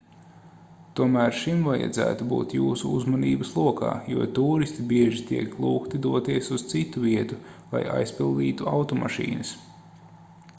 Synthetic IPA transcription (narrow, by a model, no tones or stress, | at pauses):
t̪uɔmæːɾʃimvaja̰d̪zæ̰ːt̪ubṵːt̪juːsuuzmɔniːbəslˠuɔka̰ːjṵɔt̪uːɾist̪ibiɛʒit̪iɛklˠuːkt̪id̪uɔt̪iɛsuz̥t̪sit̪uviɛt̪ulˠa̰ja̰jspilˠd̪iːt̪uawt̪ɔmʔa̰ʃḭːnɨs